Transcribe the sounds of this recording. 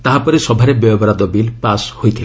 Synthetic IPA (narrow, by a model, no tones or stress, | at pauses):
t̪aɦapɔɾesɔbʱaɾebjɔjɔbɔɾad̪ɔbilpashojt̪ʰile